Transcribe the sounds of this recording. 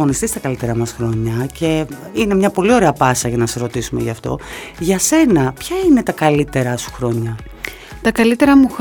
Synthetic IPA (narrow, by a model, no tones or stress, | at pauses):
onist̪ist̪ɐkɐlit̪e̞ɾɐmɐsxɾo̞ɲɐce̞ | ine̞mɲɐpo̞lio̞ɾe̞ɐpɐsɐʝɐnɐseɾo̞t̪isume̞̰ʝɐ̰ːft̪o̞̰ʝɐse̞nɐpçɐine̞t̪ɐkɐlit̪e̞ɾɐsu̥xɾo̞ɲɐ | t̪ɐkɐlit̪e̞ɾɐmu